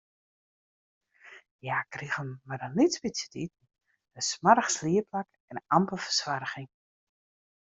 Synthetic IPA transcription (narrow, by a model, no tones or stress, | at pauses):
jakriɣəmmadənitsbisjətit̚n̩ | əsmaɾəxsliəplak | ɛnʔampəlˠfə̥sʋaɾəɣɪŋ